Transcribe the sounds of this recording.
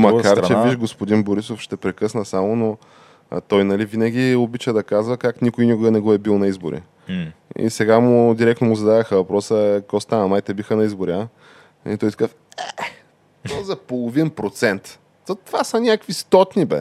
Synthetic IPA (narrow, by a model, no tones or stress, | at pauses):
mɐkaaɾt͡ʃɛbiʃɡospod̪inboɾisofʃt̪ɛpɾɛkɤsnəsamono | t̪ɔjnɐlivinɐɡ̟ʲiobit͡ʃəd̪ɐkazvəkaknʲikʊjnikʊɡɐnɛɡɔɛbilˠnɐizbo̰ɾḭ | ḭsɛɡamʊd̪iɾɛk̪̚nomʊzɐd̪ad̪əxəvɐpɾɔsəkost̪anɐmajt̪ɛbixənɐizboɾia | it̪ɔjt̪kəf | ɛ | ozɐpolˠovinpɾot̪sɛnt̪ | t̪ovasɐnʲakvist̪ɔt̪nʲibɛ̰